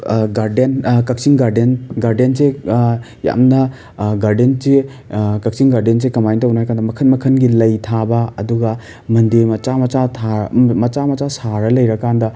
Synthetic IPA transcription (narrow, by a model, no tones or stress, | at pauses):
ɡaɾdenkɐk̚siŋɡaɾdenɡaɾdense | ja̰mnɐ | ɡaɾdense | kɐk̚siŋɡaɾdens̬ekɐmajntɐunajkandɐmɐkʰɐnmɐkʰɐnɡilɐjtʰabɐɐduɡɐ | mɐndimɐt͡ʃamɐt͡ʃatʰamɐt͡ʃamɐt͡ʃasaɾɐlɐjɾɐkandɐ